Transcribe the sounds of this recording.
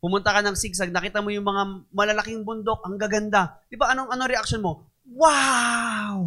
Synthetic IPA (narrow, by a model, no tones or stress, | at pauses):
pʊmʊnt̪ɐkɐnɐŋsiɡ̚s̬ɐɡ̚nɐkiːt̪ɐmo̞jʊŋmɐŋamɐlɐlɐkɪŋbʊnd̪o̞k̚ʔɐŋɡɐɡɐnd̪ad̪ɪbaʔɐnoŋʔɐno̞ɾɛʔɐkʃonmo̞ | wa | w